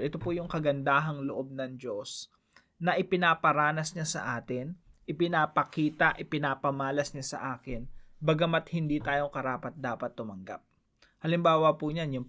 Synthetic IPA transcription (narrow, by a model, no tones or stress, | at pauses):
ʔɛt̪opujʊŋkɐɡɐnd̪aːɦɐŋloʔo̞b̚nɐŋd͡ʒo̞s | nɐʔɪpɪnaːpɐɾaːnɐsɲasɐ̰ʔaːt̪ɪnʔɪpɪnaːpɐkiːt̪ɐʔɪpɪnaːpɐmaːlɐsɲasɐ̰ʔaːkɪnbɐɡɐmɐt̪̚hɪnd̪iːt̪aːjo̞ŋkɐɾaːpɐt̪̚d̪aːpɐt̪ːʊmɐŋɡa̰p̚ | hɐlɪmbaːwɐpuɲanjʊŋ